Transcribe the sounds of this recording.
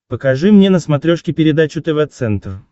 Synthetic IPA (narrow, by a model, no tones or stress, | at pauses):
pəkɐʐɨmnʲenəsmɐt̪ɾʲoʂkʲɪpʲɪɾʲɪd̪at͡ɕʊt̪ɛvɛt̪sɛnt̪r